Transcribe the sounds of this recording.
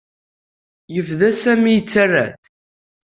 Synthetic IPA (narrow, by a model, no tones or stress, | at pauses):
jəfðæsæmijt͡sːərːæ̰θ